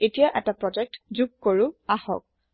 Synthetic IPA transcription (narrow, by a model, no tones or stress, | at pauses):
etijaʔɛtapɹɔd͡ʒɛk̚tzuɡ̚koɹʊahɔ̰k̚